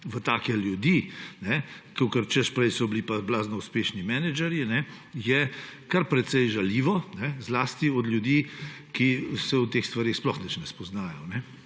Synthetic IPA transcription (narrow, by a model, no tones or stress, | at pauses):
ʋət̪aːkɛljud̪inɛkɔkəɾt͡ʃɛspɾɛjsɔblipablaːznɔuspeːʃnimɛnɛd͡ʒɛɾjinɛ | jɛkaɾpɾɛt̪sɛjʒaliːʋɔnɛzlaːst̪iɔd̪lʲjud̪iː | kisɛwt̪exst̪ʋaɾeːxsplɔxnɛt͡ʃnɛspɔznaːjɔnɛ